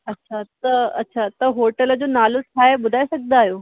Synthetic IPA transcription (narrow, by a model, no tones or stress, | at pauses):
ɐtːɕʰat̪əɐ̰tːɕʰat̪əɦoʈələd͡ʑoːnalot̪ʰaebʊd̪ʱajsəɡ̚d̪aaɦjoː